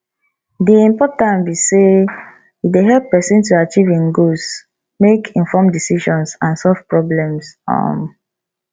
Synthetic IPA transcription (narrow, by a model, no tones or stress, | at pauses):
diĩmpɔtãnbise | ideɦɛlpːɛsĩntuat͡ʃivĩnɡos | mekʰĩnfɔmdisiʃɔ̃nsãnsɔlv̥pɹɔblɛ̃msɔ̰̃m